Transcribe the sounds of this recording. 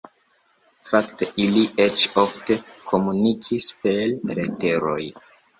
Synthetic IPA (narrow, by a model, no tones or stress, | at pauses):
fakte̞ʔilie̞t͡ʃo̞fte̞kʰo̞munikʰispe̞lɾete̞ɾo̞j